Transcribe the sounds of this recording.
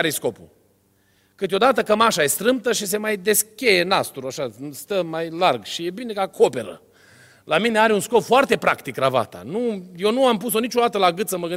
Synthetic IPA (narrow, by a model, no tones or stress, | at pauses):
aɾesko̞pṵ | kɨt̪o̞d̪at̪əkəmaʃajest̪ɾɨmpt̪əʃis̬e̞majd̪e̞skʲejenast̪uɾuaʃast̪əmajlarɡʃije̞bine̞kakʰo̞pe̞ɾə̰ | lamine̞aɾeunsko̞pfoart̪e̞pɾakt̪ikɾava̰t̪a̰nuje̞nuampus̬o̞nit͡ʃo̞d̪at̪əlaɡɨt̪səməɡɨn